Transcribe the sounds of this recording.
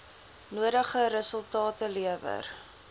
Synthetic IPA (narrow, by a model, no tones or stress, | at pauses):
nuədəχəɾəsəlˠtɑːtəliəvə̰r